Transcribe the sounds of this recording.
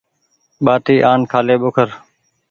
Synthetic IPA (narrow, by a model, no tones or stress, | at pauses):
ɓaːt̪iːʔaːnkʰaːleːɓokʰəɾ